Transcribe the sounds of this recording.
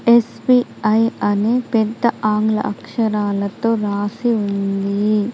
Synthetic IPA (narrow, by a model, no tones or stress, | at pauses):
espiɐjɐneːpɛd̪ːɐʔaːŋɡlɐ̰ʔɐkʂɐɾaːlɐt̪oːɾaːsiund̪i